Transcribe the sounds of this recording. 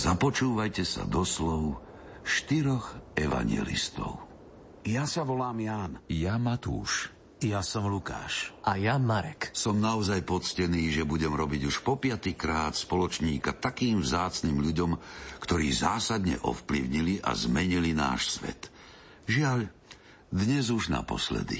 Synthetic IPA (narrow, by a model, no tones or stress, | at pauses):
zapɔt͡ʃuːʋajcɛsa̰d̪ɔslɔʊ | ʃt̪iɾɔɣɛʋa̰ɲɪɛ̰lḭst̪ɔ̰ʊ | jasaʋɔlaːmjaːnjamat̪ṵːʃ | jasɔmluka̰ːʃʔajamaɾɛksɔmnaɔzajpɔt͡scɛniːʒɛbuɟɛmɾɔbiɟuʃpɔpɪat̪ikɾaːt̪spɔlɔt͡ʃɲiːkat̪akiːmvzaːt͡sniːmʎuɟɔmkt̪ɔɾiːzaːsad̪ɲɛ̰ʔɔ̰fplḭʊɲiliʔa̰zmɛɲilina̰ːʃsʋɛ̰t̪ | ʒɪaʎ | d̪ɲɛzuʒna̰pɔ̰slɛ̰d̪ḭ